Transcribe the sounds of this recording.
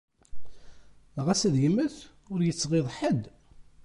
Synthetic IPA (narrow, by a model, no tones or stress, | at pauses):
ʁæsæðjəmːəθ | ʊɾjət͡sːʁɪðˤħəd̪